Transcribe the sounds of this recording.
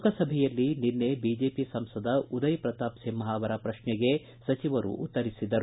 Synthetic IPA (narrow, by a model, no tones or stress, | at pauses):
kɐsɐbʱɛjɐlːininːebid͡ʒeːpisɐmsɐd̪ɐud̪ɐjipɾɐt̪aːpsimːɐɦaːʋɐɾɐpɾɐʃnɛɡe̞ | sɐt͡ʃiʋɐɾṵʔṵt̪ːɐɾisid̪ɐɾ